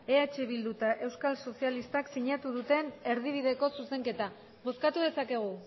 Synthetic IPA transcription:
e̞at͡ʃe̞βild̪ut̪aʔe̞wskalso̞sialist̪aksiɲat̪uðut̪e̞ne̞ɾð̞iβ̞iðe̞ko̞suse̞ŋke̞t̪a | bo̞skat̪uð̞e̞sake̞ɣ̞u

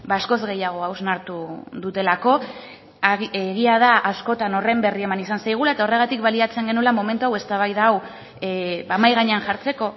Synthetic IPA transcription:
baːsko̞zɣe̞jaɣ̞o̞awznaɾt̪uðut̪e̞lako̞ | ɣiað̞aʔasko̞t̪ano̞re̞mbe̞rie̞manisansajɣ̞ulae̞t̪ao̞re̞ɣ̞at̪ikβaliat͡se̞ŋɡe̞nulamo̞me̞nt̪uawe̞st̪aβajðaːw | baːmajɣ̞aɲeanʝaɾt͡se̞ko̞

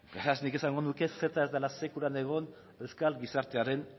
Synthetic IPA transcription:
b̥eɾasnike̞saŋɡo̞nuke̞se̞t̪ae̞zd̪elase̞kuɾane̞ɣ̞o̞n | ewskalɡisaɾt̪e̞aɾe̞n

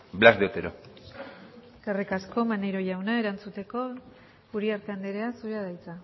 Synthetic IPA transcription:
blazdet̪eɾo | karikasko̞maneɾo̞jawnae̞ɾant͡sut̪e̞ko̞ | uɾiaɾt̪e̞and̪eɾeasuɾeaðajt͡sa

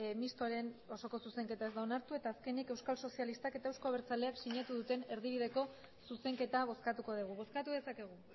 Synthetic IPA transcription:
mist̪oɾe̞no̞so̞ko̞suse̞ŋke̞t̪ae̞zd̪aonaɾt̪ue̞t̪aːske̞nike̞wskalso̞sialist̪ake̞t̪aewsko̞aβeɾt͡saleaksiɲat̪uðut̪e̞neɾð̞iβ̞iðe̞ko̞ | suse̞ŋke̞t̪aβ̞o̞skat̪uko̞ð̞iɣ̞uβo̞skat̪uðe̞sake̞ɣ̞u

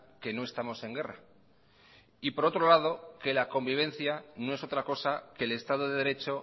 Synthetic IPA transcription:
ke̞no̞e̞st̪amo̞se̞ŋɡe̞ra | ipoɾo̞t̪ɾo̞lað̞o̞ke̞lako̞mbiβ̞ẽ̞n̟θjano̞e̞so̞t̪ɾako̞sake̞le̞st̪að̞oðe̞ðɾe̞t͡ʃo̞

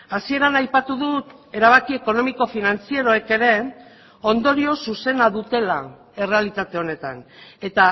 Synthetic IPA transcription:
asie̞ɾanajpat̪uðut̪e̞ɾaβ̞akie̞ko̞no̞miko̞finant͡sieɾo̞eke̞ɾe̞ | o̞nd̪o̞ɾio̞suse̞naðut̪e̞la | e̞re̞alit̪at̪e̞o̞ne̞t̪a̰ne̞t̪a

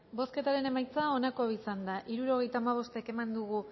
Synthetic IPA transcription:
bo̞ske̞t̪aɾe̞ne̞majt͡sao̞nako̞aisand̪aʔiɾuɾo̞ɣ̞e̞jt̪aːmaβ̞o̞st̪eke̞mand̪uɣ̞u

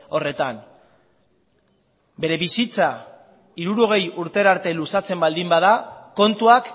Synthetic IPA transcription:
o̞re̞t̪an | be̞ɾe̞βisit͡sa | iɾuɾo̞ɣ̞e̞juɾt̪e̞ɾaɾt̪e̞lusat͡se̞mbald̪imbað̞ako̞nt̪uak

